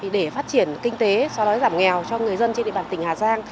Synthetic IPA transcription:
ɗe˧˩faː˦˥t̚t͡ɕi˧˩ənkï˧ŋ̟t̪e˨˦sɔ˧wɗɔ˨˦jzaː˧˩mŋɛ˨˩wt͡ɕɔ˧ŋɨ˨˩əjzə˧nt͡ɕe˧nɗḭ˨˧˨ɓaː˧˨˩t̪ŋ̟haː˨˩zaː˧ŋ

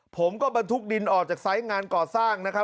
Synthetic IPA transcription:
pʰo˩˦mkɔː˥˩ba˧nt̪ʰu˦˥k̚di˧nʔɔː˨˩k̚t͡ɕaː˨˩k̚sa˦˥jŋaː˧nkɔː˨˩saː˥˩ŋna˦˥kʰɾa˦˥

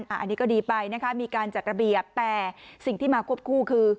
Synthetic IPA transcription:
nʔaː˨˧˩ʔa˧niː˦˥kɔː˥˩diː˧pa˧jna˦˥kʰa˦˥miː˧kaː˧nt͡ɕa˨˩t̪̚ɾa˧bi˨˩əp̚t̪ɛː˨˩si˨˩ŋt̪ʰiː˥˩maː˧kʰu˥˩əp̚kʰuː˥˩kʰɯː˧

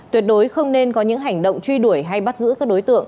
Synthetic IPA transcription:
t̪wi˨˩ət̚ɗo˨˦jxə˧wŋ͡mne˧nkɔ˨˦ɲɨ̰˧˥ŋɦa˨˩jŋ̟ɗo̰˧˨wŋ͡mt͡ɕwi˧ɗu˧˩əjɦa˧jɓa˦˥t̚zɨ̰˧˥kaː˦˥k̚ɗo˨˦jt̪ɨ̰˧˨əŋ

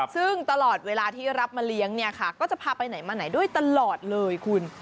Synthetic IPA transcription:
sɯ˥˩ŋt̪a˧lɔː˨˩t̪̚weː˧laː˧t̪ʰiː˥˩ɾa˦˥p̚maː˧li˦˥əŋni˥˩ɐkʰa˥˩kɔː˥˩t͡ɕa˨˩pʰaː˧pa˧jna˩˦jmaː˧na˩˦jdu˥˩əjt̪a˧lɔː˨˩t̪̚lɤː˧jkʰu˧n

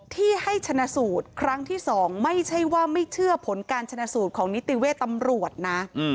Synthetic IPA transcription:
t̪ʰiː˥˩ha˥˩jt͡ɕʰa˧na˧˥suː˨˩t̪̚kʰɾa˦˥ŋt̪ʰiː˥˩sɔː˩˦ŋma˥˩jt͡ɕʰa˥˩jwaː˥˩ma˥˩jt͡ɕʰɯ˥˩ɐpʰo˩˦nkaː˧nt͡ɕʰa˧na˧˥suː˨˩t̪̚kʰɔː˩˦ŋni˦˥t̪ːi˨˩weː˥˩t̪ːa˧mɾu˨˩ət̪̚na˦˥˧

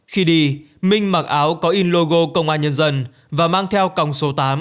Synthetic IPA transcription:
xi˧ɗi˧ | mï˧ŋ̟ma˨˩k̚ʔaː˨˦wkɔ˨˦ʔi˧nlo˧ɣo˧kə˧wŋ͡mʔaː˧nɲə˧nzə˧n | vaː˨˩maː˧ŋt̪ʰɛ˧wka˨˩wŋ͡mso˨˦t̪aː˨˦m

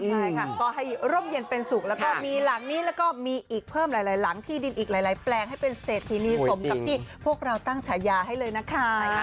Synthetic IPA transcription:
t͡ɕʰa˥˩jkʰa˥˩t̪ɔː˨˩ɦa˥˩jɾo˥˩mje˧npe˧nsu˨˩k̚lɛː˦˥wkɔː˥˩miː˧la˩˦ŋniː˦˥lɛ˦˥wkɔː˥˩miː˧ʔiː˨˩k̚pʰɤː˥˩mɾaː˨˦jlaː˨˦jla˩˦ŋt̪ʰiː˥˩di˧nʔiː˨˩k̚la˨˦jlaː˩˦jplɛː˧ŋhɦa˥˩jpe˧nseː˨˩t̪ʰːiː˧niː˧so˩˦mt͡ɕa˨˦k̚t̪ʰiː˥˩pʰu˥˩ək̚ɾa˧wt̪a˥˩ŋt͡ɕʰaː˨˦jaː˧ɦa˥˩jlɤː˧jna˦˥kʰa˦˥˩

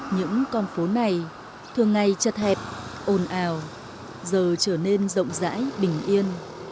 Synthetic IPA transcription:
ɲɨ̰˧˥ŋkɔ˧nfo˨˦na˨˩j | t̪ʰɨ˨˩əŋːa˨˩jt͡ɕə˨˩t̪̚hɛ˨˩p̚ʔo˨˩nʔaː˨˧˩w | zəː˨˩t͡ɕəː˧˩ne˧nzə̰˧˨wŋ͡mza̰ː˧˥jɓï˨˩ŋ̟ʔi˧ən

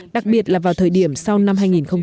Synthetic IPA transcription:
ɗa˨˩k̚ɓi˨˩ət̚laː˨˩vaː˨˩wt̪ʰəː˨˩jɗi˧˩əmsa˧wna˧mɦaː˧jŋi˨˩nxə˧wŋ͡m

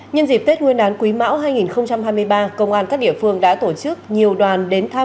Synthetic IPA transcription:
ɲə˧nzi˨˩p̚t̪e˦˥t̚ŋwi˧ənɗaː˨˦nkwi˨˦ma̰ː˧˥wɦaː˧jŋi˨˩nxə˧wŋ͡mt͡ɕa˧mɦaː˧jmɨ˧əjɓaː˧kə˧wŋ͡mʔaː˧nkaː˦˥k̚ɗḭ˧˨əfɨ˧əŋɗa̰ː˧˥t̪o˧˩t͡ɕɨ˦˥k̚ɲi˨˩əwɗwaː˨˩nɗe˨˦nt̪ʰaː˧

